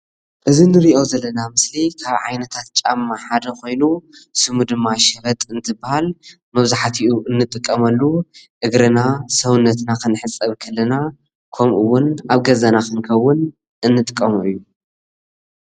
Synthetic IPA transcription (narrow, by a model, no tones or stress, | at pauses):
ʔɨzinɨɾiʔo̞zɐlːɐnamɨslikʰaβʕa̰jnɐt̪ʰat̪̚t͡ʃʼamːaħad̪ɐko̞jnusɨmud̪ɨmːaʃɐɾɐt̪ʼɨnt̪ʰɨbːahal | mɐβzaħat̪ʰiʔuɨnːɨt̪ʼɨkʼːɐmɐlːuʔɨɡɾɨnasɐwɨnːɐt̪nakʰɨnɨħɨt͡sʼːɐβkʰɐlːɐna | kʰomʔɨwʊnaβɡɐzɐnakʰɨŋkʰɐwːʊn | ʔɨnːɨt̪ʼɨkʼːɐmuɨjːu